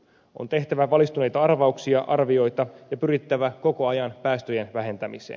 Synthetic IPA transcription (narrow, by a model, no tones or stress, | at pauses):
ʔo̰nt̪e̞ht̪æʋæʋɑlist̪une̞jt̪ɑɑrʋɑuksiɑʔɑrʋio̞jt̪ɑjɑpyɾit̪ːæʋæko̞ko̞ɑjɑnpæːst̪øjenʋæɦe̞nt̪æmḭsḛːn